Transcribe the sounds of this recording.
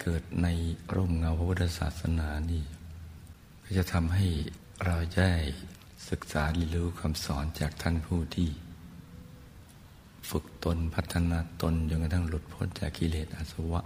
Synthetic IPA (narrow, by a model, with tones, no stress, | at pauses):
kɤː˨˩t̪̚na˧jɾoː˧˥˩mŋa˧wpʰa˧pʰu˦˥t̪ʰːa˧sa̰ː˨˩t̪̚sa̰˧naː˩˦niː˥˩ | kʰɔː˥˩t͡ɕa˨˩t̪ʰa˧mɦa˥˩j | ɾa˧wda˥˩j | sɯ˨˩k̚saː˩˦li˧˩lɯː˦kʰa˧msɔː˩˦nt͡ɕaː˨˩k̚t̪ʰa˦˥ŋpʰuː˥˩t̪ʰiː˧˥˩ | fɯ˨˩k̚t̪o˧npʰa˦˥t̪ʰːa˧naː˧t̪o˧nt͡ɕo˧ŋka˧t̪ʰa˥˩ŋlu˨˩t̪̚pʰo˧˦˥nt͡ɕaː˨˩kʰːi˧leː˨˩t̪̚ʔa˧˩sa˧wa˦˥ʔ